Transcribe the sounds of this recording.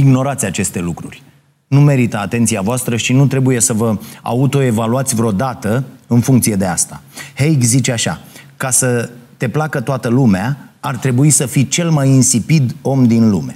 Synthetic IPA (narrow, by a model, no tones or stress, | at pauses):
iɡno̞ɾat̪sʲat͡ʃe̞st̪e̞lukɾurʲ | nume̞ɾit̪əat̪e̞nt̪siavoast̪ɾəʃinut̪ɾe̞buje̞səvəa̰ut̪o̞e̞valuat̪sʲvɾeo̞d̪at̪əɨnfuŋkt̪sije̞d̪e̞ast̪ahejɡzit͡ʃeaʃa̰kasət̪e̞plakət̪oat̪əlumeaart̪ɾe̞buisəfit͡ʃe̞lmajinsipid̪o̞md̪inlume̞